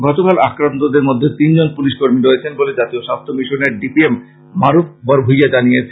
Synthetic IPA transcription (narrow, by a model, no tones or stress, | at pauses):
ɡɔtokalakɾant̪od̪eɾmod̪ʱːet̪ind͡ʑonpuliʃkoɾmiɾojet͡ɕʰenboled͡ʑat̪ioʃast̪ʰomiʃoneɾɖipiemː | aɾuf̚ʰbɔɾbʱujad͡ʑanijet͡ɕʰe